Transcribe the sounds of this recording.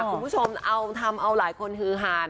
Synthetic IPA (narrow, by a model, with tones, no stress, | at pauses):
kʰu˧bu˦˥t͡ɕʰo˧mʔa˧wt̪ʰa˧mʔa˧wlaː˩˦jkʰo˧nkʰɯː˧ɦaː˧˦n